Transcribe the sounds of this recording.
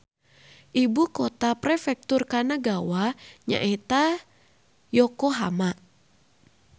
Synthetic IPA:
ʔibukɔt̪apɾɛfɛk̚t̪ʊrkanaɡawaɲa̰ʔɛt̪a | jɔkoɦa̰ma

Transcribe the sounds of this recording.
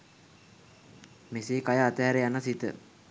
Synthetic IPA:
meseːkajəat̪ɛɦaɾejanəsit̪ə̰

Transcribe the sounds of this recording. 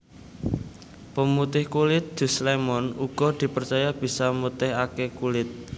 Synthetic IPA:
pəmut̪ɪhkulɪt̪̚d̪̥ṳslemɔnuɡ̥ɔ̤d̪̥i̤pərt͡ʃajab̥i̤samut̪ɪɦakekulɪt̪̚

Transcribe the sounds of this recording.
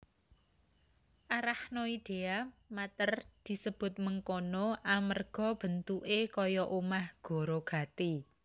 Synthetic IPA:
ʔaɾahnoid̪̥e̤amat̪ərd̪̥i̤səb̥ʊ̤t̪̚məŋkonoʔamərɡ̥ɔ̤b̥ə̤nt̪uʔekɔjɔʔumahɡ̥o̤ɾoɡ̥a̤t̪i

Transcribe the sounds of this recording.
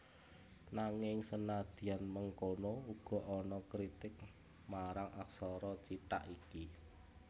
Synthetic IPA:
naŋɪŋsənad̪̥i̤anməŋkonouɡ̥ɔ̤ʔɔnɔkɾit̪ɪk̚ | maɾaŋʔaksɔɾɔt͡ʃiʈa̰ʔiki

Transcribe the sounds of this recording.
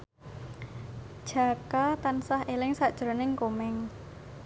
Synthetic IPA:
d̥ʒ̥a̤kat̪ansahʔelɪŋsaʔd̥ʒ̥ɾo̤nɪŋkomɛŋ

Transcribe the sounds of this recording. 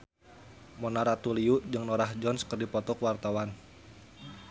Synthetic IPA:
mɔnaɾat̪uliuʔd͡ʒɨŋnɔɾaɦd͡ʒɔnskərdipɔt̪ɔkwart̪awan

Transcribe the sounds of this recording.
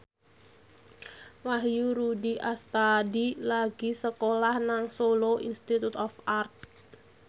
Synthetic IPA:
waɦjuɾudiʔast̪adilaɡ̥isəkolahnaŋsoloʔḭnst̪it̪ut̪ɔfart̪̚

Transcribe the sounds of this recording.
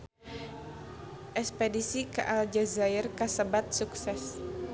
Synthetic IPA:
ʔɛspedisikaʔald͡ʒazairkasəbat̪̚suksɛs

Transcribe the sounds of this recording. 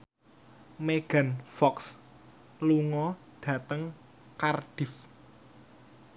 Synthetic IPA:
meɡ̥a̤nfɔks | luŋɔ | ɖ̥ä̤t̪əŋ | kard̥ɪ̤f

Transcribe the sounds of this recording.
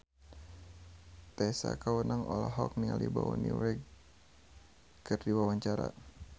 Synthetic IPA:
t̪ɛsa̰kawənaŋɔlaɦɔk̚niŋalibawɔniɾɛɡ | kɨrdiwawaɲt͡ʃaɾa̰

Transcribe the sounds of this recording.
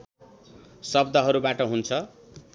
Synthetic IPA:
sʌbd̪ʱʌɦʌɾubaʈʌɦunt͡sʰʌ

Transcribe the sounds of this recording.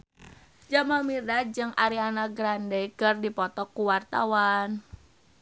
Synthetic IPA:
d͡ʒamamiɾad͡ʒɨŋʔaɾianaɡɾandekərdipɔt̪ɔkːuwart̪a̰wan

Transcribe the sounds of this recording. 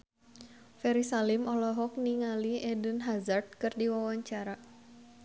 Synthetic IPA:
fɛɾisalimɔlɔɦɔk̚niŋaliɛdənɦazart̪̚kɨrdiwawaɲt͡ʃaɾa

